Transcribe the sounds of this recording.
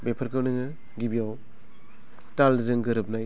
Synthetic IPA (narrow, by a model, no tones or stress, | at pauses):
bepʰɐɾkʰɯnɯŋɯ | ɡibiaw | talzɯŋɡɯɾɯp̚naj